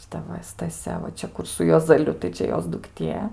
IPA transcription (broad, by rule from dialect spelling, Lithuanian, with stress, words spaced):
ʃʲɪˈtɐ ʋɐ stɐˈsʲɛ ʋɐ ˈt͡ʃʲɛ ˈkʊr sʊ juɔzɐˈlʲʊ tɐɪ ˈt͡ʃʲɛ ˈjoːs dʊkˈtʲiɛ